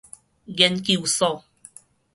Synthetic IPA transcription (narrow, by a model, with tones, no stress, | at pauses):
ɡɛ˦nki˦˨u˨sɔ˦˨